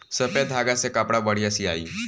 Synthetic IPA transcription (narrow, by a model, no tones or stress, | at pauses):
səpjad̪ʱaɡasekapɽabəɽ̤iəsiːaiː